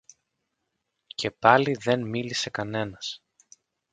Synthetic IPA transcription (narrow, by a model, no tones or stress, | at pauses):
cʰe̞pɐliðe̞nmilise̞kɐne̞nɐs